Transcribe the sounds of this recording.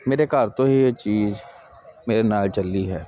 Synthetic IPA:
meːɾekaːɾt̪oɦijet͡ʃiːz | meːɾenaːlt͡ʃɐlːiɦɛː

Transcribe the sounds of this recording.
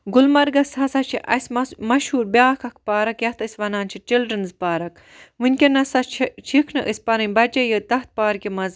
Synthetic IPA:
ɡulmɐɾɡɐshɐsɐt͡ʃʰiʔɐsʲmɐmɐʃhuːɾbʲaːkʰɐkʰpaːɾɐkjɐht̪ɨsʲʋɐnaːnt͡ʃʰit͡ʃilɖɾɐnzpaːɾɐk | ʋɨnʲkʲenɐsɐt͡ʃʰt͡ʃʰikʰnɨʔɨsʲpɐɾɐnʲbɐt͡ʃɐjət̪ɐht̪̚paːɾkʲimɐz

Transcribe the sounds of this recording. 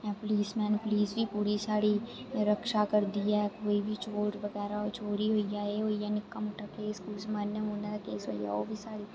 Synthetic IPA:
ãpʊliːsmɛ̃ːnepʊliːsbʱipuːɾisaːɽiɾɐkʃakɐɾd̪ijaɦɛkoːibʱit͡ʃʰoːɾʋɐɣɛːɾaot͡ʃʰoːɽiɦoːijaːeoːijanɪkːamʊʈʰəkeɪskuːlsmənəmõːnad̪akeːsɦo̰ːija̰o̰ːbʱisaːɽi

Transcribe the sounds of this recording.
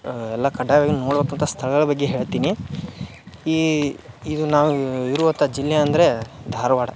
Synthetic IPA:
ɛlːakɐɖaːjbeɡenuno̞ːɽbekɐnt̪ʰast̪ʰɐɭɐɡɐɭɐbɐɡːeɦe̞ːɭt̪iːni | i | id̪unaːʋuiɾuʋɐnt̪ʰad͡ʒilːjɐːnd̪ɾe̞d̪ʱaːɾɐʋaːɽɐ

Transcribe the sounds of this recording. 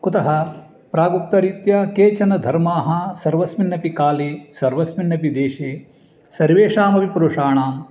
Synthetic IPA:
kut̪ɐɦɐ | pɾaːɡup̚t̪ɐɾit̪jɐkeːt͡ʃɐnɐd̪ʱɐɾmaːɦɐ̆sɐɾʋɐsminːɐpikaːleːsɐɾʋɐsminːɐpid̪eːʃeː | sɐɾʋeːʂaːmɐʋipuɾuʂaːɳaːm

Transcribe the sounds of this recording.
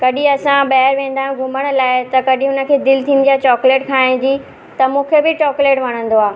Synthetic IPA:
kɐɗĩɐsãɓɐːəɾʋẽːn̆d̪aːɦũɡʱʊməɽ̃̆laːɪt̪ɐkɐɗĩɦʊnə̆kʰeːd̪ɪlt̪ʰiːnɪ̆d̪ijat͡ɕɔːkleːʈkʰaːɪ̃ñd͡ʑiː | t̪ɐmũːkʰebɪt͡ɕɔːkleːʈʋɐɽ̤̃ə̃nd̪oaː

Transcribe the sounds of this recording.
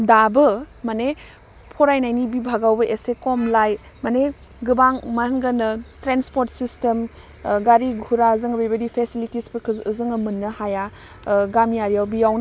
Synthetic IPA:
dabɐmane | pʰɔɾajnajnibibʱaɡawbɐʔesekɔmlaj | mane | ɡɯbaŋmaŋɡɐnɐtɾenspoɾtsistem | ɡaɾiɡʱuɾazɯŋbejbɐdipʰesilitispəɾkʰɯzɯzɯŋɐmɯnːɐhaja | ɡamjaɾijawbijawn

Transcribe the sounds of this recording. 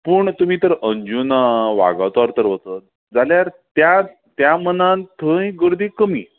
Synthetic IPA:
puːɳt̪umiːt̪əɾəɲd͡ʑunaʋa̰ɡa̰wt̪aɾt̪əɾʋət͡s̪ət̪̚ | d͡zaljaɾt̪ja | t̪jamənãnt̪ʰə̃jɡəɾd̪iːkəmiː

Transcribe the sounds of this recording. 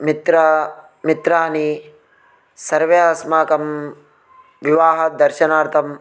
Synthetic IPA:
mit̪ɾɐ | mit̪ɾaːni | sɐɾʋɐjaːsmaːkɐm | ʋiʋaːɦɐd̪ɐɾʃɐnaːɾt̪ʰɐm

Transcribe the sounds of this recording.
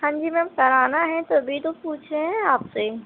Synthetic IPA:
hãːɲd͡ʒimɛ̃mkɐɾaːnaɦɛ̃t̪obʱit̪opuːt͡ʃʰeɦɛ̃aːpse

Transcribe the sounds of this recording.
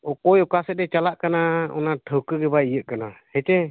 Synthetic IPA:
ɔkɔjɔkasɛt̪̚ɛt͡ʃalaʔkanaɔ̰naʈʰəwkəɡɛbaijəʔ̚kanahɛt͡ʃɛ

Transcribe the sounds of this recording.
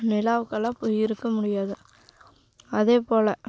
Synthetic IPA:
nɪlaːʋɯkːɐlãːpoːjɪɾɯkːɐmʊɽɪjaːðɯ | ɐðeːpoːlɐ

